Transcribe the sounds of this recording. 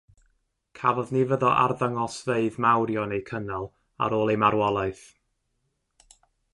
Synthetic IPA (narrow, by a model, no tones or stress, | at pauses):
kʰavɔðnivəðɔʔa̰rðəŋɔsveɨðmawɾjɔnejkʰənalˠ | a̰ɾoːlˠejmaɾwɔlˠaɨθ